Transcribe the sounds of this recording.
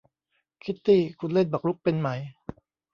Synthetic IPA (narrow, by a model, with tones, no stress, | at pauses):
kʰi˦˥t̪ʰːiː˥˩kʰu˧nle˥˩nbaː˨˩k̚ɾu˦˥k̚pe˧nma˩˦j